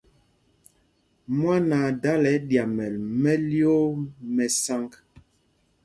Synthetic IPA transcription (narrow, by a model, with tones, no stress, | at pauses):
mwa˦na˨da˦lɛ˨˦dja˨mɛ˨lmɛ˦ljo˦mɛ˨sa˦ŋk